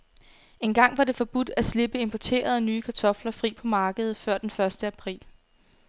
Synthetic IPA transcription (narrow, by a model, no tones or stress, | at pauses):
e̝nɡ̥ɑ̈ŋ̰ʋɑ̈d̥e̝fɒ̽b̥ud̥æsle̝b̥əe̝mpʰɒt͡sʰe̝̰ːɐð̞ˠnyːkʰɑ̈t͡sʰɒ̽flɐfʁḭːpʰɒ̽mɑ̈ːɡ̥əð̞̩ˠfɶɐ̰d̥enfɶɐsd̥əæpʰʁḭːl